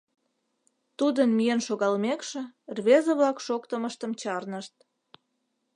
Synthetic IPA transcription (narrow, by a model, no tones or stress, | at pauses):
t̪ud̪ənmijenʃoɣɑlmekʃĕrβezəβlɑkʃokt̪əməʃt̪əmt͡ɕɑrnəʃt̪̚